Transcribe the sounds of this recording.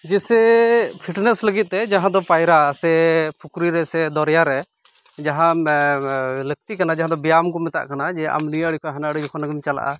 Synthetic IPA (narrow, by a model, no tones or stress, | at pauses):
d͡ʒɛsɛpʰiʈnɛsləɡit̪̚t̪ɛd͡ʒaɦãd̪ɔpajɾasɛpʰukɾiɾɛsɛd̪ɔɾjaɾɛ | d͡ʒaɦã | lək̚t̪ikanad͡ʒaɦãd̪ɔbijamkɔmɛt̪a̰ʔkanad͡ʒɛʔa̰mniəɽikɔɦanaɽiɔkʰɔnaɡimt͡ʃala̰ʔa̰